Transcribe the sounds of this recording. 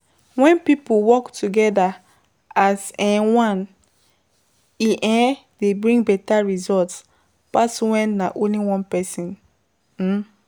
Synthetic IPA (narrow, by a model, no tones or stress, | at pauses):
wɛ̃npipuwɔktʰuɡɛda | azɛ̃wãn | iʔɛ̃debɹĩŋɡbɛtaɹizɔlts | paswɛ̃nːaʔõnliwɔ̃npɛsĩn | m̩